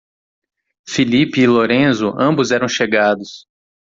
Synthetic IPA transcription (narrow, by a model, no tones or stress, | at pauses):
filipɪːloɾẽzʊʔɐ̃bʊzɛɾɐ̃w̃ʃeɡad̪ʊs